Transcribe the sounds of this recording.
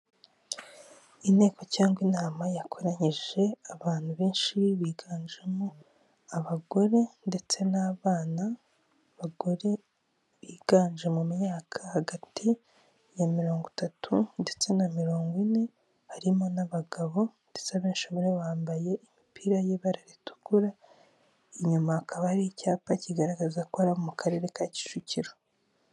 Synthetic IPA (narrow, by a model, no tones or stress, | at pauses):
ine̞ːko̞caːŋɡwinaːmajakʰo̞ɾaɲiʒ̥e̞aβaːn̥huβeːnʃiiβiːɡaːɲd͡ʒemo | aβaɡo̞ɾe̞nde̞t͡se̞naːβaːna | βaɡo̞ɾe | βiːɡ̥aːɲʒe̞mumɲaːkʰḁhaɡatʰi | jamiɾo̞ːŋɡutatʰunde̞t͡se̞namiɾo̞ːŋɡwine̞ | haɾimo̞naβaɡaβo̞ndet͡seaβeːnʃomiɾeβaːmbaje̞ʔimipiɾajeβaɾaɾitu̥kuɾa | iɲumaːkʰaβahɾiicaːpaciɡaɾaɡazakohaɾaβomukʰaɾe̞ːɾe̞kaci̥t͡ʃuciɾo